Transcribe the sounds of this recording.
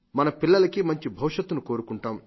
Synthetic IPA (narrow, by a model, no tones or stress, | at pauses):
mɐnɐpilːɐlɐkimɐɲt͡ʃibʱɐwʃɐt̪ːunuko̞ːɾukuɳʈaːm